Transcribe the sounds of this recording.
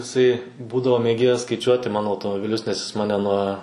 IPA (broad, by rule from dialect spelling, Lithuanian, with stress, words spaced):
ɪˈsɐɪ ˈbuːdɐʋoː mʲeːˈɡʲeːjɛs skɐɪˈt͡ʃʲuɔtʲɪ ˈmɑːnoː ɐʊtoːmoːbʲɪˈlʲʊs nʲɛs jɪs ˈmɑːnʲɛ nuɔ